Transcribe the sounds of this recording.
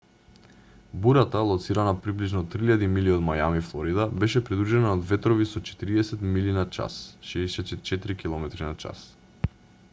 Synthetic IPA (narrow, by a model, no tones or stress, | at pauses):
buɾat̪alˠɔt̪siɾanapɾibliʒnɔt̪ɾiʎad̪imiliɔd̪majamiflˠɔɾid̪abɛʃɛpɾid̪ɾuʒɛnaɔd̪vɛt̪ɾɔvisɔt͡ʃɛ̥t̪iɾiɛsɛt̪milinat͡ʃa̰sʃɛːsɛɛt͡ʃɛt̪iɾikilˠɔmɛt̪ɾinat͡ʃa̰s